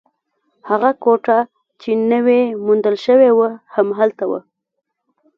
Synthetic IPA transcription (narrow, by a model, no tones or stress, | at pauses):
haɣakoʈa | t͡ʃenəwemund̪əlʃəwewəhamɦalt̪awə̰